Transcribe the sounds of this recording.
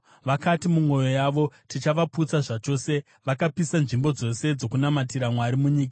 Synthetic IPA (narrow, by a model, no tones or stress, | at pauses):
ʋakatimumwo̞jo̞jaːʋo̞tit͡ʃaʋaput͡saʐat͡ʃo̞se̞ | ʋakapisanʐimbo̞d͡zo̞se̞d͡zo̞kunamatiɾamwaɾimuɲiːk̬a